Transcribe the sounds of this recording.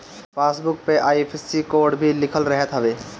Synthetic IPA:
fasbuk̚peʔajfʰesikoɾɖbʱilikʰolɾɛɦet̪ɦɔbe

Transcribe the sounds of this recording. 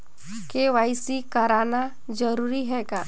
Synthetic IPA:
keʋaːɪsikəɾaːna | d͡ʒəɾuːɾiɦɛːɡaː

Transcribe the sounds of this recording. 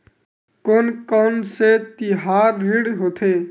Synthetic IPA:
koːnkɔnset̪iɦaːɾːɪɽɦoːt̪ʰeː

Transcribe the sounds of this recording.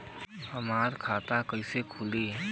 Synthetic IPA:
hɐmaːɾkʰaːt̪akɐisekʰʊliɦɛ

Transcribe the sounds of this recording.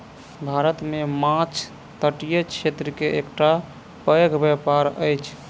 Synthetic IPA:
bʱaɾət̪memãt͡ʃʰ | t̪əʈijət͡ʃʰet̪ɾəkeekʈa | pɾəjəɡʱbjɛpaɾəjt͡ʃʰ

